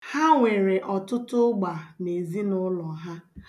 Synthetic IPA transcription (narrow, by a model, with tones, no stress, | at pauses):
ha˦ŋʷe˨ɾe˨ʔɔ˨tʊ˦tʊ˦ɡ͡ba˨ne˨zi˦nʊ˦lɔ˨ɦa˦